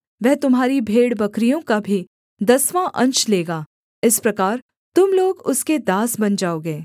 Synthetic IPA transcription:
ʋɛɦt̪ʊmɦaːɾibʱeːɽbɐkɾijõkabʱi | d̪ɐsʋãʔɐ̃nt͡ʃleːɡaː | ɪspɾɐkaːɾ | t̪ʊmloːɡʊsked̪aːsbɐnd͡ʒaːoːɡeː

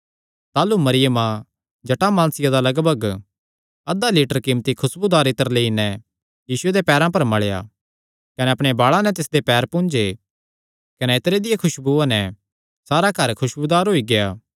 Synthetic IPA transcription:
t̪aːlumɐɾɪjəmã | d͡ʒɐʈamãːnsɪjad̪alɐɡbʱɐɡ | ɐd̪aliːʈəɾkɪmt̪ikʰʊsbud̪aːɾet̪əɾleːinɛ | jiːsʊed̪epɛːɾãpɐɾmɐɭeja̰ː | kɐnɛɐpɽ̃ebaːɭãnɛt̪ɪsd̪epɛːɾpʊ̃ːnd͡ʒe | kɐnɛet̪ɾed̪ɪjekʰʊʃbuanɛ | saːɾakɐɾkʰʊʃbud̪aːɾɦoːiɡejaː

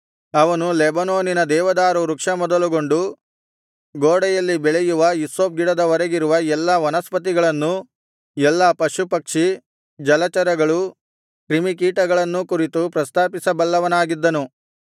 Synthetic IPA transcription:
ɐʋɐnulɛbɐnoːninɐd̪ɛːʋɐd̪aːɾuɾukʂɐmɔd̪ɐluɡo̞ɳɖu | ɡoːɽɐjɐlːibɛɭɛjuʋɐisoːp̚ɡiɽɐd̪ɐʋɐɾɐɡiɾuʋɐɛlːɐʋɐnɐspɐt̪̬iɡɐɭɐnːu | ɛlːɐpɐʂupɐkʂi | d͡ʒɐlɐt͡ʃɐɾɐɡɐɭu | kɾimik̬iːʈɐɡɐɭɐnːukuɾit̪upɾɐst̪aːpisɐbɐlːɐʋɐnaːɡid̪ːɐnu

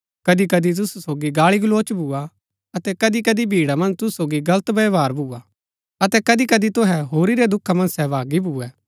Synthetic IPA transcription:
kɐd̪ikɐd̪it̪̬ʊsusoːɡiɡaːɭiɡloːt͡ʃbʱuːa | ɐt̪ɛkɐd̪ikɐd̪ibʱiːɽamɐ̃nd͡ʒt̪ʊsu̥soːɡiɡɐlət̪bɐjʋaːɾbʱuːa | ɐt̪ɛkɐd̪ikɐd̪it̪ʊɦɛɦoːɾiɾɛd̪ʊkʰːamɐ̃nsɛʋaːɡibʱuːɛː

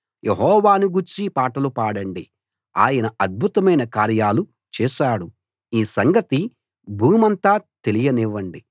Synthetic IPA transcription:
jʔeɦɔːʋaːnuɡuɾt͡ʃipaːʈɐlupaːɽɐɳɖi | a̰ːjɐnɐɐd̪̚bʱut̪ɐmɐjnɐkaːɾjaːlu | t͡ʃɛːʃaːɽu | iːsɐŋɡɐt̪i | bʱuːmɐnt̪aːt̪e̞lijɐniʋːɐɳɖi

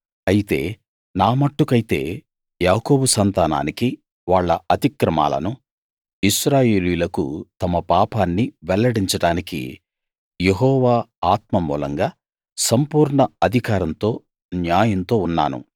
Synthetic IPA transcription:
ɐjit̪e̞̰ː | naːmɐʈːukɐjit̪ḛː | jaːko̞ːbusɐnt̪aːna̰ːniki | ʋaːɭːɐɐt̪ikɾɐma̰ːlɐ̰nu | iʃɾaːjeːlujlɐkṵt̪ɐmɐpaːpaːnːiʋɛlːɐɽiɲt͡ʃɐɽaːnikḭ | jeɦɔːʋaːaːt̪mɐmṵːlɐŋɡaː | sɐmpuːɾɳɐɐd̪ʱikaːɾɐnt̪o̞ː | njaːjɐnt̪o̞ːunːa̰ːnṵ

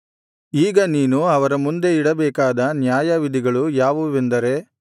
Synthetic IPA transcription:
iːɡɐniːnuɐʋɐɾɐmund̪e̞iɽɐbɛːkaːd̪ɐnjaːjɐʋid̪ʱiɡɐɭujaːʋuʋend̪ɐɾe̞

